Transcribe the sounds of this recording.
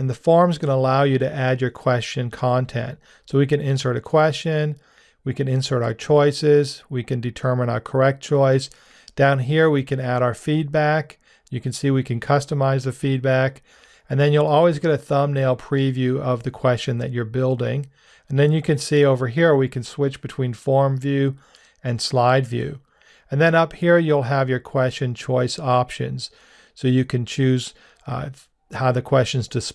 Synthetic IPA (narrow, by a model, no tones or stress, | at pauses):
nðɨfɔɹmzɡʌnəəlaʊjɨɾɨʔæd͡ʒə˞kʰw̥ɛst͡ʃɨ̃nkʰɑ̃ntʰɛ̰̃nt | soʊwikɨ̃nɪ̃nsə˞ɾɨkʰw̥ɛst͡ʃɨ̃n | wikɨ̃nɪ̃nsə˞ɾaʊə˞t͡ʃʰɔɪsɪzwikɨ̃ndɨtʰɜ˞mɨ̃ñaʊə˞kʰə˞ɛk̚t̚t͡ʃʰɔɪs | d̥ãʊ̃nɦiɹwikɨ̃næɾaʊə˞fid̚bæk | jɨkɨ̃nsiwikʰɨ̃nkʰʌstəmaɪzðɨfid̚bæk | ɨ̃nðɨ̃njulˠɔlˠwizɡɛɾɨθʌ̃mneɪlˠpʰɹ̥ivjʉʌvðɨkʰw̥ɛst͡ʃɨ̃nðɨt͡ʃə˞bɪlˠdɪ̰̃ŋ | ɨ̃nðɨ̃njɨkɨ̃nsioʊvə˞ɦiɹəwikɨ̃nswɪt͡ʃb̥ɨtʰw̥ĩnfɔɹmvjʉ | ɨ̃nslaɪdvjʉ̰ | ɨ̃nðɨ̃nʌphiɹjulˠəvjə˞kʰw̥ɛst͡ʃɨ̃nt͡ʃʰɔɪsɑpʃɨ̰̃nz̥ | soʊjɨkɨ̃nt͡ʃʰʉz̥ | haʊðɨkʰw̥ɛst͡ʃɨ̃nz̥tʰɨs